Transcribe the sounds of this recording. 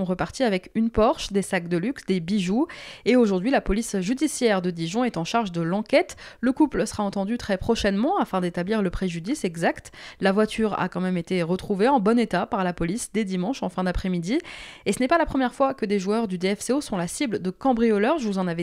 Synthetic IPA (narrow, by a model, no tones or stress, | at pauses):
ɔ̃ʁəpaʁt̪iavɛkynpɔʁʃd̪esak̚d̪əlyksd̪ebiʒueoʒuʁd̪ɥilapɔlisʒyd̪isjɛʁd̪əd̪iʒɔ̃ɛt̪ɑ̃ʃaʁʒd̪əlɑ̃kʲɛt̪ləkuplsə̥ʁaɑ̃t̪ɑ̃d̪yt̪χɛpχɔʃɛnmɑ̃afɛ̃d̪et̪abliʁləpχeʒyd̪isɛɡzakt̪lavwat̪ʰyʁa̰kɑ̃mɛmet̪eʁət̪χuveɑ̃bɔnet̪apaʁlapɔlisd̪ed̪imɑ̃ʃɑ̃fɛ̃d̪apχɛmid̪iesənɛpalapχəmjɛʁfwakəd̪eʒuœʁd̪yd̪eɛfseosɔ̃lasibld̪əkɑ̃bʁijɔlœʁʒəvuzɑ̃nave